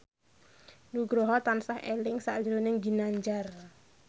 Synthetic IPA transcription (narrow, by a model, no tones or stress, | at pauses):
nuɡɾoɦɔt̪ansahelɪŋsa̰ʔd͡ʒiɾonɪŋd͡ʒi̤naɲd͡ʒar